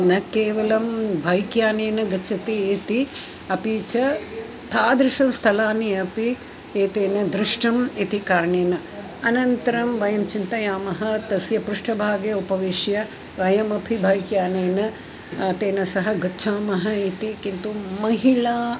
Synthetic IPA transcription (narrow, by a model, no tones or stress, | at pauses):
nɐkeːʋɐlɐmbʱaːjkjaːneːnɐɡɐt͡ʃʰɐt̪iːt̪i | ɐpiːt͡ʃɐ | t̪ʰaːd̪ɾɪʃɐmst̪ʰɐlaːniɐpi | eːt̪eːnɐd̪ɾɪʂʈɐmit̪ikaːɾɳeːnɐ | ɐnɐnt̪ɐɾɐmʋɐjɐmt͡ʃint̪ɐjaːmɐɦɐt̪ɐsjɐpɾuʂʈɐbʱaːɡjɐupɐʋiʂjɐ | ʋɐjɐmɐpʰibʱaːjkjaːneːnɐ | t̪eːnɐsɐɦɐɡɐːt͡ʃʰʃʰaːmɐɦɐit̪ikint̪umɐɦiɭaː